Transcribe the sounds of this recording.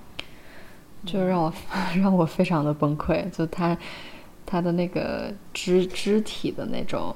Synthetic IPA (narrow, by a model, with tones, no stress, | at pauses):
t͡ɕjo˥˧ɻɑ˥˩ŋwɔ˨˩ɻɑ˥˩ŋwɔ˨˩fe˥ɪʈ͡ʂʰɑ˧˥ŋd̪ə˧pə˥ŋkʰwe˥˩ɪt͡ɕjo˥˧t̪ʰa˥ | t̪ʰa˥d̪ə˨na˥˩ɡə̰˩ʈ͡ʂɻ̩˥ʈ͡ʂɻ̩˥t̪ʰi˨˩d̪ə˦ne˥˩ɪʈ͡ʂʊ̰˨˩˦ŋ